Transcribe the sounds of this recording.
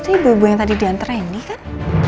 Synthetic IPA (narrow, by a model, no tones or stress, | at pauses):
t̪ibubujaŋt̪adidiant̪əɾanikan